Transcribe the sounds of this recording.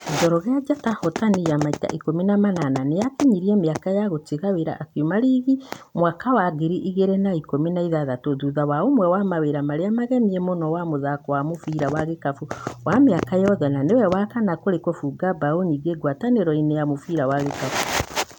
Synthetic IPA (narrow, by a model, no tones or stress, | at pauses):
d͡ʒɔɾɔɣead͡ʒatahɔtanijamaita̰ʔikominamanananejakeɲiɾiɛmeakajaɣotiɣaweɾa̰ʔːkiomaɾiɣimwakawaɣeɾiʔiɣeɾenaikominaiðaðatoðuðawaomwɛwamaweɾamaɾeamaɣɛmiɛmonɔwamoðakɔwamofiɾawaɣekafuwameakajɔðɛnanewɛwakanakoɾekwɔfuɡabaoniɡeɡwataneɾɔinejamofiɾawaɣekafu̥